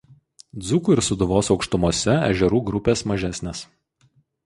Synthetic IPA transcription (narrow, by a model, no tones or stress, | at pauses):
d̪zʊkuːɪɾsʊd̪ʊʋoːsɒʊkʃt̪ʊmoɔsʲɛæ̰ʒʲɛɾuːɡɾʊpʲeːsmɐʒʲæsʲnʲeːs